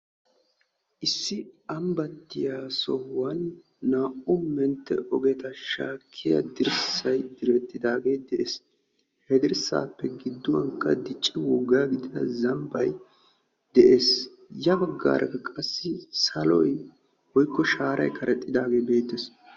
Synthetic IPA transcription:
ʔɪsːɪɐmbɐt̪ːɪjaːsɔwːɐnː | aːʔʊmɛnt̪ːɛ̰ʔɔɡɛt̪ɐʃa̰ːkʰːɪjɐ̰d̪ɪɾsɐjd̪ɪɾɛt̪ʼːɪd̪aːɡe̞ːd̪ɛʔeːs | hɛd̪ɪɾsa̰ːpːɛɡɪd̪ːʊwɐŋkːɐ̰d̪ɪt͡ʃʼːɪwɔɡːaːɡɪd̪ɪd̪ɐ̰zɐmbɐ̰j | d̪̥ɛʔe̞ːs | jɐbɐɡːa̰ːɾʔɐkɐkʼɐsːɪsɐlɔ̰j | wɔjkːɔʃaːɾʔɐ̰jkʰɐɾɛt̪ʼːɪd̪aːɡe̞ːbe̞ːt̪ːɛs

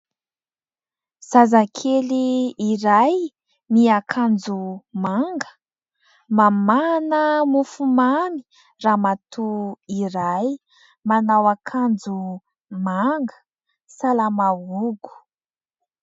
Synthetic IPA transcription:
z̥azakʰeliːɾaj | miakʰand͡zumaŋɡə̥ | mamanəmufumani̥ | raːmat̪uiɾaj | manawakʰand͡zu | maŋɡə̥ | salamauɡu̥

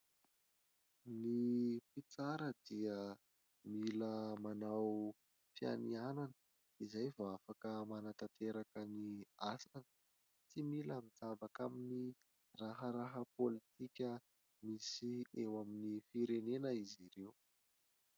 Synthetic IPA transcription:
nipit͡saɾəd̪iə | miləmanaw | fia̰nianan | izajvoafakəmanat̪at̪ʰeɾakəniasanə̥ | t͡similamid͡zabakamini | raɦəɾaɦəpolit̪ʰikʲə | misiewaminifiɾenenəiziɾew

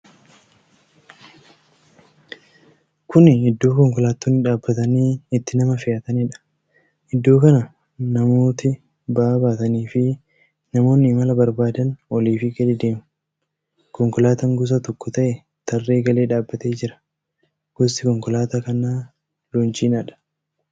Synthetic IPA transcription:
kʊnɪɪd̪ːo̞ːkɔŋkɔlaːt̪ːuːnːɪᶑaːbːɐt̪ɐniːɪt̪ːɪnɐmɐfɪjaːt̪ɐnɪᶑɐ̥ | ʔɪd̪ːo̞ːkɐnɐ | nɐmoːt̪ɪ | baːbaːt̪ɐniːfɪ | nɐmo̞ːnːɪːmɐlɐbɐɾbaːd̪ɐnʔɔliːfɪɡɐlɪd̪e̞ːmʊ | kɔŋkɔlaːt̪ɐŋɡʊs̬ɐt̪ɔkːʊt̪ɐʔɛ | t̪ʰɐrːe̞ːɡɐle̞ːᶑaːbːɐt̪e̞ːd͡ʒɪɾɐ̥ | ɡ̥ɔsɪkɔŋkɔlaːt̪ɐkɐnaː | lʊnt͡ʃiːnɐᶑɐ̥

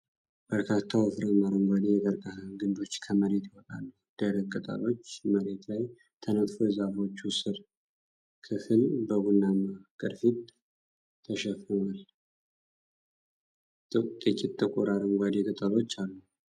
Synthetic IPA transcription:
b̥əɾkʰat̪ʰːawfɨɾəmaɾəŋɡʷad̪ejɛɡ̪əɾkʼaɡɨnd̪o̞t͡ʃːkʰəməɾe̞t̪ɪhɔt̪ʼa̰lːəhd̪̥əɾəkkʼət̪ʼa̰lo̞t͡ʃːməɾe̞t̪laj | t̪ʰənət̪ʼfozafo̞t͡ʃːusɨɾ | kʰɨfɨlbəɡunːamakʼɨɾfit̪ʼːʰ | əʃɛfɨnal | t̪ʼɨk̪ʼɛkʼit̪t̪ʼːəkʼuɾaɾəŋɡʷwad̪ekʼɨt̪ʼalo̞t͡ʃːalːuh

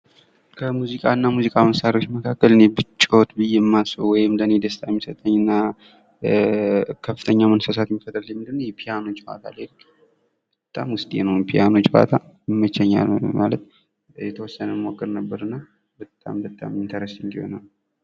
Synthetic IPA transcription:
kʰəmuzikʼaɨnːamuzikʼaməsaɾiwo̞t͡ʃːməkʰakːəlɨnebɨt͡ʃʼːo̞t̪bɨjɛmːasowɔjɪmləne̞d̪əst̪ʼajmːisət̪ʼəɲːɨnːa | kʰəfːɨt̪ʰəɲːamənsəsat̪jɛmːifət̪ʼəljɛmːɨnd̪ɨnwjɛpʰijano̞t͡ʃːha̰t̪ʰa̰lelk | bət̪ʼːa̰mwʊst̪ʼjḛnəwpʰijano̞t͡ʃːfa̰t̪ʰa | jmːət͡ʃːɛɲːa̰lma̰lət̪ | jɛt̪ʰəwɔsːənəmokʼːəɾnəbːəɾɨnːa | bət̪ʼa̰mbət̪ʼa̰mɨnt̪ʰəɾəsnd̪iho̞̰nal

